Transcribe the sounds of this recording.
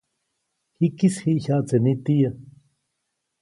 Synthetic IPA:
hikishiʔçaʔt͡senit̪ija

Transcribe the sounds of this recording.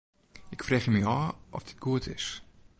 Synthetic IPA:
ɪkfrɛːχjəmiaːʔɔ̰fdit̚ɡ̥uətʰɪs

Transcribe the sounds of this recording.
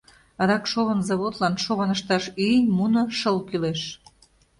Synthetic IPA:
ɑd̪ɑkʃoβɤnzoβot̪lɑnʃoβɑnəʃt̪ɑʃynʲmunoʃɤlkyleʃ

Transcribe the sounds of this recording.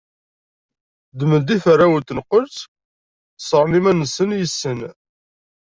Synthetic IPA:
d̪əməd̪ifərːawət̪ːənqəlt͡s | sˤəɾˤnimænəsənjəsːən

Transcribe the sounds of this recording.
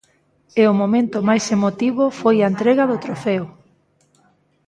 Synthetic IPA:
eʊmomẽnt̪ʊmajsemot̪iβʊfojaent̪ɾeɣaðʊt̪ɾofeo

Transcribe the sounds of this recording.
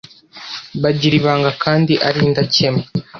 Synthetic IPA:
βaɟiɾiβaːŋɡakʰaːndiʔaɾiːndace̞me

